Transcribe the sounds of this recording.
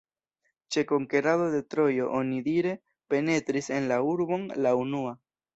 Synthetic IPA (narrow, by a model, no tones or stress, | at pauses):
t͡ʃe̞ko̞ŋke̞ɾadode̞tɾo̞jo̞ʔonidiɾe̞ | pe̞ne̞t̪ɾise̞nlauɾbo̞nlaunua